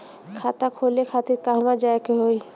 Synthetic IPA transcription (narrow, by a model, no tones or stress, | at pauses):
kʰat̪akʰoːlekʰaːt̪ɪɾkaɦmãd͡ʒaːekeɦoːi